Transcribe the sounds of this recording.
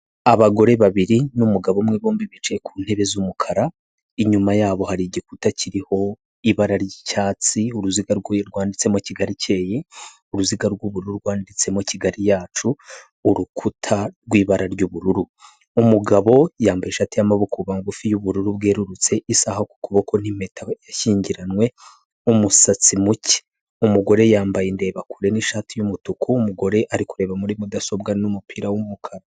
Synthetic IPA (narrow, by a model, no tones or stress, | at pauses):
aβaɡo̞ɾe̞βaβiɾinumuɡaβo̞mŋiβoːmbiβit͡ʃeekun̥he̞βe̞zumukʰaɾa | iɲumajaːβo̞haɾiɟik̚utaciɾiho̞ | iβaɾaɾjicaːt͡siuɾuziɡaɾɡɾɡwaːndit͡se̞mociɡaɾice̞ːje | uɾuziɡaɾɡuβuɾuɾuɾɡwaːndit͡se̞mociɡaɾijaːt͡ʃuː | ɾukʰutʰaɾɡwiːβaɾaɾɟuːβuɾuɾu | umuɡaβo̞jaːmbajeʃatijamaβukuβaŋɡufijuβuɾuɾub̚ɡe̞ːɾuɾut͡se̞ʔisahaku̥kuβoko̞n̥ime̞ːtʰajaçiːɲɟiɾanwe̞ | umusat͡simuci̥ | umuɡo̞ɾe̞jaːmbajende̞ːβakuɾe̞niʃaːtijumutukʰuːmuɡo̞ɾe̞ʔaɾikuɾe̞ːβamuɾimudaso̞bɡanumupʰiːɾawumukʰaɾa